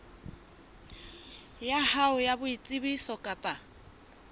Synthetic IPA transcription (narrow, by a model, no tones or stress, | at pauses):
jahaʊjabʊit͡sʼibisɔkʼapʼa